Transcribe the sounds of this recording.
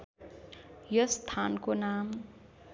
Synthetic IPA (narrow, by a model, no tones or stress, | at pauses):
jʌst̪ʰankonam